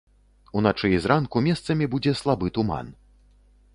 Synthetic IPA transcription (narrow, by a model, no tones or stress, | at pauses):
unat͡ʂɨizɾankumʲɛst̪sɐmʲibud͡zʲɛslˠabɨt̪uma̰n